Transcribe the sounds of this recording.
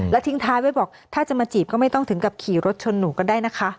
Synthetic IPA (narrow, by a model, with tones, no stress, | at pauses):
lɛː˦˥wt̪ʰi˦˥ŋt̪ʰaː˧˥jwaː˦˥˩jbɔː˨˩k̚t̪ʰaː˥˩t͡ɕa˨˩maː˧t͡ɕiː˨˩p̚kɔː˥˩ma˥˩jt̪ɔ˥˩ŋt̪ɯ˩˦ŋka˨˩p̚kʰiː˨˩ɾo˦˥t̪̚t͡ɕʰo˧nːuː˨˩kɔː˥˩daː˥˩jna˦˥kʰa˦˥ʔ